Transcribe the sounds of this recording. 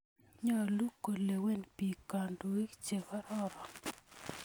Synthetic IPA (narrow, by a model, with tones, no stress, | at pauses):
ɲɔ˦˨lu˦kːo˨le˨we˦˨npi˨ka˨ndu˨i˦kt͡ʃe˨ka˦ɾɔ˦ɾɔ˨